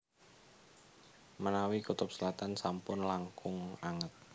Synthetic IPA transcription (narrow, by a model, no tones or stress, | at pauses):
mənawikut̪ʊp̚səlat̪ansampʊnlaŋkʊŋaŋət̪̚